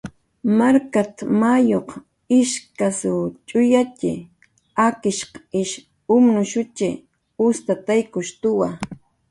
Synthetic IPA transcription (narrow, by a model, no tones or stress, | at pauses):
maɾkat̪majoq | ɪʃkasʊt͡ʃʼʊjat͡ʃɪ̰ | akɪʃqɪʃ | ʊmnʊʃʊt͡ʃɪ̰ | ʊst̪at̪ajkʊʃt̪ʊwa